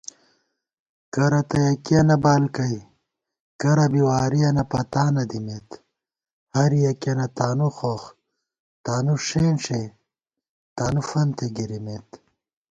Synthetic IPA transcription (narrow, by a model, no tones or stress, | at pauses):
kɐɾɐt̪ɐjɐkiɐnɐbaːlkɐj | kɐɾɐbiwaːɾijɐnɐpɐt̪aːnɐd̪imet̪ | hɐɾijɐkɐnɐt̪aːnuxox | t̪aːnuʂeːnʂe | t̪aːnufɐnt̪eɡiɾimeːt̪